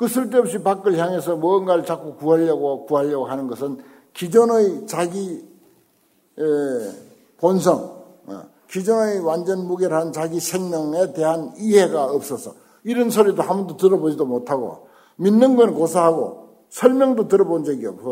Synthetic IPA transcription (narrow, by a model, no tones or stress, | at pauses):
kɯsʰɯɭt̬͈eʌp̚ɕ͈ipak͈ɯɭçjaŋe̞sʰʌmʌnɡaɭt͡ɕak͈okuɦaʎːʌɡokuɦaʎːʌɡoɦanɯnɡʌsʰɯn | kid͡ʑʌnɯit͡ɕaɡi | pons̬ʰʌŋ̰ | kid͡ʑʌnɯwand͡ʑʌnmuɡeɾɦant͡ɕaɡiɕʰeŋmjʌŋete̞ɦaniɦe̞ɡaʌp̚s͈ʌsʰʌ | iɾʌnsʰʌɾidoɦamundotɯɾʌbod͡ʑidomotʰaɡo̰ | minːɯnɡʌnkosʰaɦaɡo̰ | sʰʌɭmjʌŋdotɯɾʌbond͡ʑʌɡiʌ̰p̚ko